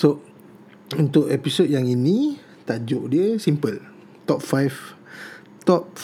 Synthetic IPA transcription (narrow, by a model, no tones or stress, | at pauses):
so | unt̪ʊʔɛpisot̪̚jaŋinĩ | t̪ad͡ʒoʔdiəsimpəl | t̪ɔp̚fajf | t̪ɔp̚